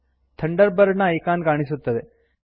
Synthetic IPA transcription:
t̪ʰɐɳɖəɾbɐɾnɐejkaːnkaːɳ̃isut̪ːɐd̪e

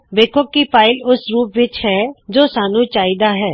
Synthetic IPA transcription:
beːkʰokːipaːɪlʊsɾuːpʋɪt͡ʃɦɛd͡ʒoːsaːnũt͡ʃaːɪd̪aɦɛː

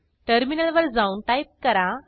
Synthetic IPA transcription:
ʈəɾminəlʋəɾd͡zaunʈajp̚kəɾa

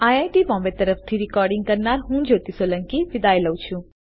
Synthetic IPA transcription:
aːjajʈibɔ̃ːmbet̪əɾəft̪ʰiɾɪkɔːɾɖĩŋɡ̚kəɾnaɾɦũːd͡ʒoːt̪isoːlə̃ŋkiʋɪd̪aːjləwt͡ʃʰũ

